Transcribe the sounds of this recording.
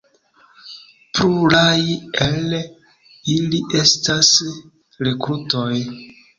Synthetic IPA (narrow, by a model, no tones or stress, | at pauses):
pɾuɾajel | iliʔe̞stas | ɾe̞kɾuto̞j